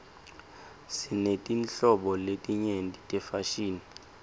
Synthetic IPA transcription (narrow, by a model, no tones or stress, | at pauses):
sinetʼint͡ɬɔɓɔletʼiɲentʼitʼɛfaʃiːni